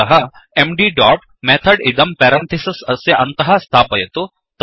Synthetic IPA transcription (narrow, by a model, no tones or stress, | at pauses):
ɐɦɐ | emɖiːɖaːʈ | meːt̪ʰɐɖid̪ɐmpɛːɾɐ̃nt̪ʰisɐsɐsjɐʔɐnt̪ɐɦɐst̪ʰaːpɐjet̪o | t̪